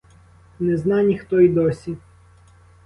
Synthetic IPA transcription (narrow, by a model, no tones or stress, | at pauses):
nɛznɑnʲixt̪ɔid̪ɔsʲi